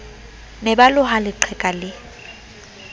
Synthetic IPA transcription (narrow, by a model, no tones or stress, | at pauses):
nɛbalʊɦalɪǃʰɛkʼalɪ